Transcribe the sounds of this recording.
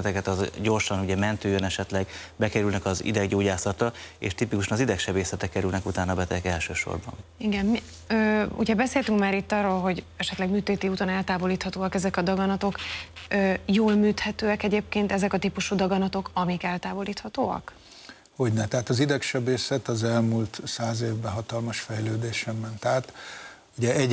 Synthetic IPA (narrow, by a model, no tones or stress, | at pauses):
t̪ɛkɛt̪ɒzɟo̞rʃɒnuɟɛmɛnt̪øːjønɛʃɛt̪lɛɡbɛkɛɾylnɛkɒzḭd̪ɛɡɟoːɟaːsɒt̪ɒḛːʃt̪ipikuʃɒnɒzid̪ɛkʃɛbeːsɛt̪ɛkːɛɾylnɛkut̪aːnɒbɛt̪ɛɛkɛlʃøːʃo̰rbɒ̰niɡɛnmi | øːṵɟɛbɛseːlt̪yŋkmaːɾit̪ːɒːroːlɦo̞ɟ | ɛʃɛt̪lɛɡmyːt̪eːt̪iuːt̪onɛlt̪aːvo̞liːt̪hɒt̪oːɒkɛzɛkɒd̪ɒɡɒnɒt̪o̞køːjoːlmyːt̪hɛt̪øːɛkɛɟeːp̚keːnt̪ɛzɛkɒt̪ipuʃud̪ɒɡɒnɒt̪o̞kɒmikɛlt̪aːvo̞liːt̪hɒt̪oːɒ̰k | hoɟnɛt̪ɛɦat̪ɒzid̪ɛkʃɛbeːsɛt̪ɒzɛlmult̪saːzeːvbɛɦɒt̪ɒlmɒʃfɛjløːd̪eːʃɛmːɛnt̪aːt̪ | uɟɛʔɛɟ